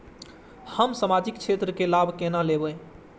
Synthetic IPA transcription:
həmsəmad͡ʒikt͡ʃʰet̪ɾəkelabʱkenalebəj

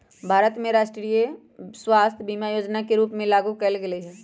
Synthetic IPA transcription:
bʱaːɾət̪mẽɾaːʃʈɾije | swaːst̪ʰjbiːmajoːd͡ʒnakeɾuːpmẽlaːɡukɐlɡɐleɦɛː

